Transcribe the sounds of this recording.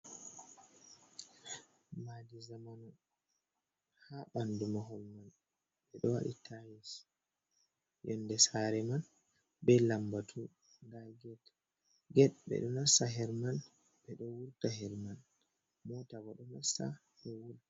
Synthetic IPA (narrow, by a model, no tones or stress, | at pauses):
madizamanɔ | haɓandumaɦɔlman | ɓɛɗɔwa̰ɗḭtʰajis | jɔnːdɛsaɾɛman | bɛlambatʰu | ŋɡaɡɛt | ɡɛt̚bɛ̰ɗɔnasaɦɛɾman | ɓɛɗɔwuɾtahɛɾman | mɔtaɡɔɗɔnasa̰ | ɗɔwul